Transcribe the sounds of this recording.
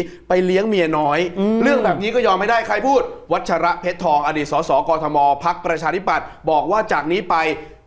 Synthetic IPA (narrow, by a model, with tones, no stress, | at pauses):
pa˧jli˦˥əŋmi˧ənɔː˦˥jɾɯ˥˩əŋbɛː˨˩p̚niː˦˥kɔː˥˩jɔː˧mha˥˩jdaː˥˩jkʰɾa˧jpʰuː˥˩t̪̚wa˦˥t̪̚t͡ɕʰa˧ɾa˦˥ʔpʰe˦˥t̪ʰːɔː˧ŋʔa˧diː˨˩t̪̚sɔː˩˦sɔː˩˦kɔː˧t̪ʰɔ˧mɔː˧pʰa˦˥k̚pɾa˧t͡ɕʰaː˧t̪ʰi˥˩pa˨˩t̪̚bɔː˨˩k̚waː˥˩t͡ɕaː˨˩k̚niː˦˥pa˧j